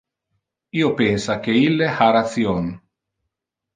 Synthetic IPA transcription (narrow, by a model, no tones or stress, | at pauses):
iːopensak̟eilːehaɾat̪sjon